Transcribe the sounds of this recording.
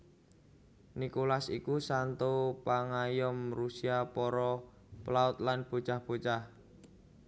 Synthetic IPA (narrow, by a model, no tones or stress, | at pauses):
nikolasikusant̪opaŋajɔmrusiapɔɾɔ | plaʊt̪̚lanb̥o̤̥t͡ʃahb̥ot͡ʃah